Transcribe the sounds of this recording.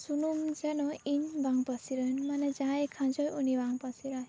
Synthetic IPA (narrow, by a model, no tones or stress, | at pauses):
sunumd͡ʒanɔiɲbaŋpasiɾanmanɛd͡ʒaekʰãnd͡ʒɔjunibaŋpasiɾaj